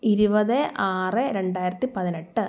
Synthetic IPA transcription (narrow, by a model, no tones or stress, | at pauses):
iɾubɐðɨʔaːrɨɾeɳɖaːjiɾɐt̪ːipɐðineʈːɨ